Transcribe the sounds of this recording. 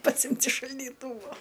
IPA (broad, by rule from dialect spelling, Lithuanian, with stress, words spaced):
pɐˈsʲɪmʲtʲ ɪʃ ʃɐlʲdʲiːˈtuːʋoː